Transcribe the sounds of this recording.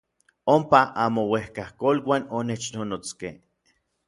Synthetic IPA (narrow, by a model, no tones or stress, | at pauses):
ompaʔamowehkahkolwanonet͡ʃnonot͡skḛ